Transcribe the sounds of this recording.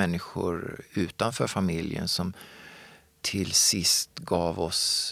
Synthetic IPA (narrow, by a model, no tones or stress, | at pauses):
ɛnːɪɧʊ̰ɾʉ̟ːt̪anfœːɾfamɪljə̰nsɔm | t̪ʰɪlsɪst̪ɡɑːvɔs